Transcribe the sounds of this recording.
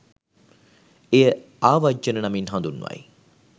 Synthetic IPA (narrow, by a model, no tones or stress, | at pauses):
ejə | aːʋad͡ʒənənaminɦãnd̪unːuʋa̰j